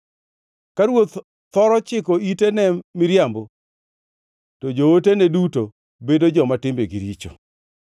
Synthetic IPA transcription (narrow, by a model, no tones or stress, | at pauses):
kaɾwot̪ | t̪ɔɾɔt͡ʃɪkɔitenɛmɪɾjambo | tod͡ʒooteneduto | bedod͡ʒɔmatɪmbeɡiɾit͡ʃo